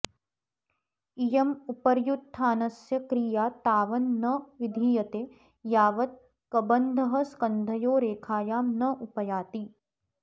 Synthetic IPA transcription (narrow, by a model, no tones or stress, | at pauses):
ijɐmupɐɾjut̪ʰːaːnɐsjɐkɾijaːt̪aːʋɐnːɐʋɪd̪ʱijɐt̪eː | jaːʋɐt̪̚ | kɐbɐnd̪ʱɐɦɐ̆skɐnd̪ʱɐjoːɾeːkʰaːjaːmnɐʔʊpɐjaːt̪iː